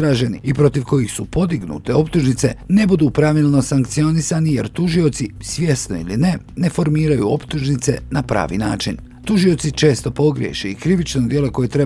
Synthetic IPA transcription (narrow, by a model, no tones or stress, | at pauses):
ɾaːʒe̞nḭipɾo̞t̪iʋko̞jixsupo̞d̪iɡnṵːt̪e̞o̞pt̪uʒnit̪se̞ne̞bud̪uːpɾaʋiːlˠno̞saŋkt̪sio̞nisanije̞ɾt̪uʒio̞t̪sisʋʲje̞st̪no̞̰iline̞ | ne̞fo̞ɾmiːɾajṵo̞pt̪uʒnit̪se̞napɾa̰ːʋḭːna̰ːt͡ʃin | t̪uʒio̞t̪sit͡ʃe̞ːst̪o̞po̞ɡɾʲjḛʃeikɾiʋit͡ʃnod̪je̞lo̞ko̞jet̪ɾe̞